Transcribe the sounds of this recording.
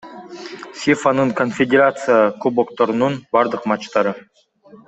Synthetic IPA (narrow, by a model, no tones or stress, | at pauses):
sʲifanəɴkʰonfʲedʲeɾat̪sɨjakubokt̪oɾnənbɑɾd̪əqmɑt͡ʃt̪ɑɾə